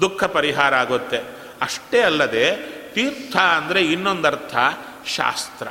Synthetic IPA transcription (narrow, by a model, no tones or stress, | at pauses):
d̪ukʰːɐpɐɾiɦaːɾɐaːɡot̪ːe | ɐʂʈeːɐlːɐd̪e̞ːt̪iːɾt̪ʰɐːnd̪ɐɾe̞inːond̪ɐɾt̪ʰɐ | ʃa̰ːst̪ɾɐ